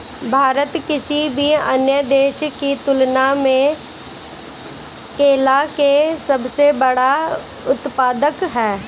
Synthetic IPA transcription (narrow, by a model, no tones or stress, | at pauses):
bʱaːɾət̪kɪsibʱiə̰njəd̪eːʃkit̪ʊlnamẽ | keːlakesɐbsebɐɽa | ʊt̪paːd̪əkɦɛː